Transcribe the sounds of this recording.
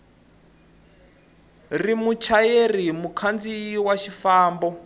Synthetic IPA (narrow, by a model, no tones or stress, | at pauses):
rimut͡ʃʰajerimukʰand͡ziːwaʃifaːmbɔ